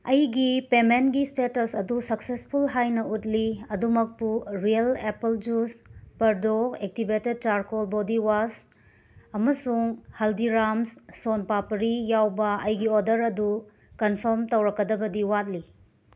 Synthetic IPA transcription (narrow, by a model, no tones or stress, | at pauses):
ɐjɡipementɡistetɐsɐdusɐksespʰulɦajnɐutliɐdumɐk̚puɾijɐlepɐld͡ʒuspɐɾdoek̚tibeted̚t͡ʃaɾkolbodiwas | ɐmɐsuŋhɐldiɾamssonpapɐɾijawbɐʔɐjɡiodɐɾɐdu | kɐnpʰɐɾmtɐwɾɐkːɐdɐbɐdiwat̚li